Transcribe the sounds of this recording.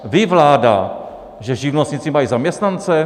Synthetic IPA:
vɪvlaːda̰ | ʒɛʒɪvnostɲit͡simajizamɲɛst̪nant͡sɛ

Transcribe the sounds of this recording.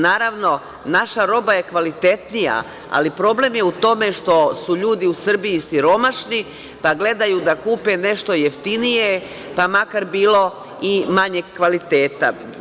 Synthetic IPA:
naːɾaʋno̞ | naʃaɾo̞baje̞kʋalit̪e̞t̪nija̰ | a̰lipɾo̞ble̞mje̞ut̪o̞me̞ʃt̪o̞suʎuːd̪iusr̩bijisiɾo̞maʃni | paɡle̞d̪ajud̪akuːpe̞ne̞ʃt̪o̞jeft̪inije | pamakaɾbiːlo̞ | imaɲeɡkʋalit̪e̞ːt̪a̰

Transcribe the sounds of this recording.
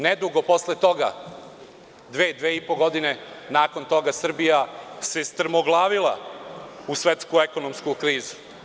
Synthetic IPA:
ned̪uɡo̞po̞slet̪o̞ɡa̰ | d̪ʋeːd̪ʋeːipo̞ɡo̞d̪ine̞naːko̞nt̪o̞ɡasr̩bijase̞st̪r̩moɡlˠaːʋila̰ | usʋe̞t̪skue̞ko̞nomskukɾiːzu̥

